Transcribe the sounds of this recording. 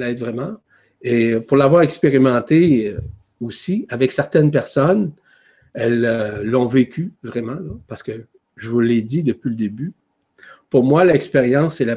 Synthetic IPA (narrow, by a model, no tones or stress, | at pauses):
laɛt̪vʁɛmɑ̃ | epuʁlavwaʁɛkspeʁimɑ̃t̪e | osiavɛksɛʁt̪ɛnpɛʁsɔn | ɛløːɔ̃vekʲyvʁɛmɑ̃lɔpaʁsə̥kə | ʒəvuled̪id̪əpɥiləd̪eby | puʁmwalɛkspeʁjɑ̃sɛla